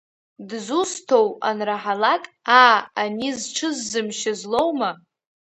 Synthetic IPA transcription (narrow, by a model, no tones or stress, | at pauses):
dzustʰo̞wa̰nraħalakʼaːanizʈ͡ʂʰɨzːɨmʃazlo̞wma